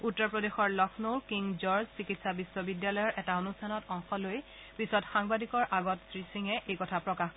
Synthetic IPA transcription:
utːɔɹpɹodexɔɹlɔkʰnokiŋzɔɹzsikitsabisːɔbidjalɔjɔɹʔɛtaonustʰanɔtɔŋxɔloj | pisɔtxaŋbadikɔɹʔaɡɔtsɹisiŋɛʔejkɔtʰapɹɔkax

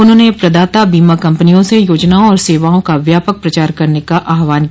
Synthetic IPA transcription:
ʊnɦõːnepɾɐd̪aːt̪abiːmakɐ̃mpənijõsejoːd͡ʒnaõɔːɾseːʋaːõkaʋjaːpək̚pɾɐt͡ʃaːɾkɐɾnekaʔaːɦʋaːnk

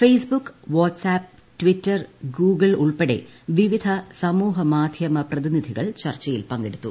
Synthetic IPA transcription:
feːsbukːʋoːʈsaːp̚ | ʈʋitːɐrɡuːɡɐɭuɭpeɽe̞̰ʋiʋid̪ʱɐsɐmuːɦɐmaːd̪ʱjɐmɐprɐðinid̪ʱiɣɐ̰ɭt͡ɕɐrt͡ɕːɐjilpɐŋɡeɽut̪ːu

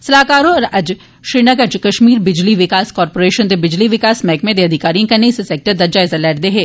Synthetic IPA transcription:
sɐlaːkaːɾõɔɾɐd͡ʒ | ʃɾiːnɐɡəɾd͡ʒkɐʃmiːɾbɪd͡ʒliʋɪkaːskɔːɾpoːɾeːʃənd̪ebɪd͡ʒliʋɪkaːsmɛːkmẽd̪eɐd̪ʱɪkaːɾijẽkɐneseseːk̚ʈəɾd̪ɐɾd͡ʒaɪzɐlɛːɾd̪eɦɛː

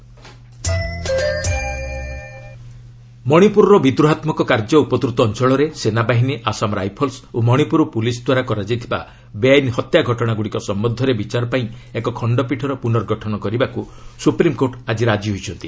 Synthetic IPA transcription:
mɔɽ̃ipuɾɔɾɔbid̪ɾuɦat̪mɔkɔkaɾd͡ʒɔupɔt̪ɾut̪ɔːnt͡ʃɔɭɔɾesenabaɦiniʔasamɾa̰jpʰɔlsomɔɽ̃ipuɾɔpulisd̪waɾakɔɾad͡ʒajt̪ʰiba̰ | beajnhɔt̪jaɡʱɔʈɔɽ̃aɡuɽikɔsɔmbɔd̪ʱːɔɾebit͡ʃaɾɔpaĩekɔkʰɔɳɖɔpiʈʰɔɾɔpunɔɾɡɔʈʰɔnɔkɔɾibaku | supɾimkoʈad͡ʒiɾad͡ʒiɦojt͡ʃʰɔnt̪i

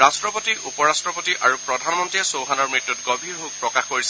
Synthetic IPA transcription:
astɹɔpotiʔupɔɹastɹɔpotiʔaɹupɹɔdʱanmɔntɹiɛsowɦanɔɹmɹitːutɡɔbʱiɹɦuk̚pɹɔkaxkoɹisɛ

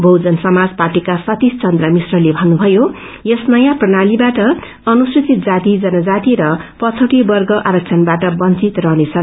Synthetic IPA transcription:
bʱʌwd͡zʌnsʌmad͡zparʈikasʌt̪ist͡sʌnd̪rʌmisrʌlebʱʌnːubʱʌjo | jʌsnʌjãprʌnalibaʈʌ | ʌnusrit͡sit̪̚d͡zat̪id͡zʌnʌd͡zat̪iɾʌpʌt͡sʰoʈibʌrɡʌʔaɾʌk̚t͡sʰʌnbaʈʌbʌnt͡sit̪rʌnet͡sʰʌn

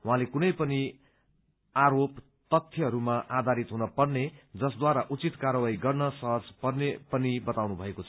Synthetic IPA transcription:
uɦãlekunʌjpʌni | aɾop | t̪ʌt̪ʰːjʌɦʌɾumaʔad̪ʱaɾit̪ɦunʌpʌrned͡zʌsd̪waɾaʔut͡sit̪karʌwaiɡʌrnʌsʌɦʌd͡zpʌrnepʌnibʌt̪awnubʱʌekot͡sʰʌ̥

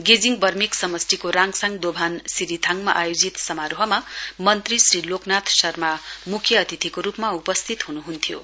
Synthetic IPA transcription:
ɡed͡ziŋbʌrmiksʌmʌsʈikoɾaŋsaŋd̪obʱansiɾit̪ʰaŋma̰ʔajod͡zit̪sʌmaɾoɦʌmamʌnt̪risriloknat̪ʰsʌrmamukʰjʌːt̪it̪ʰikoɾupmaupʌst̪ʰit̪ɦunuɦunt̪ʰjo̰

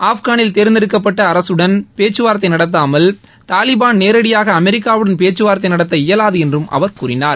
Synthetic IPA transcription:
ʔaːfɣaːnɪlt̪eːɾɯnd̪ɪɾɯkːɐp̬ːɐʈːɐːɾɐsɯɽɐnpeːt͡ʃːɯʋaːɾɐt̪ːɐɪnɐɽɐt̪ːaːmɐl | t̪aːlɪbaːnneːɾɐɽɪjaːɣɐːmɛɾɪkːaːʋɯɽɐnpeːt͡ʃːɯʋaːɾɐt̪ːɐɪnɐɽɐt̪ːɐɪjɐlaːðɯɛndrɯmʔɐ̰ʋɐɾkuːrɪnaːɾ

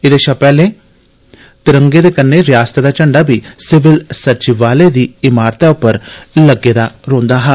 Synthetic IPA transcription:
ɪd̪eːʃaːpɛːlẽː | t̪ɪɾə̃ŋɡeːd̪eːkənːeːɾɪjaːst̪ed̪aːt͡ʃəɳɖaːbʱiːsɪʋɪlsəɾt͡ʃɪʋaːleːd̪iːɪmaːɾt̪aːʊpːəɾləɡeːd̪aːɾõːnd̪aːɦɛː

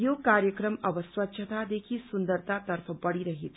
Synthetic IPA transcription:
jokaɾjəkɾəmʌbʌswɐtːʃʰət̪ad̪ekʰisund̪əɾt̪at̪əɾpʰəbʌɽiɾəɦi

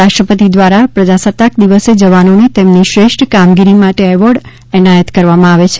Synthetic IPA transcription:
aʃʈɾəpət̪id̪ʋaɾapɾəd͡ʒasət̪ːak̚d̪iʋəsed͡ʒəʋanonet̪emniʃɾeʃʈʰkamɡiɾimaʈeɛʋəɾɖ | ɛnajət̪kəɾʋamãaʋet͡ʃʰe̥

